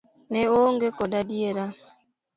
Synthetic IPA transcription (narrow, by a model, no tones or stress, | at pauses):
nɛoŋɡekɔdadieɾa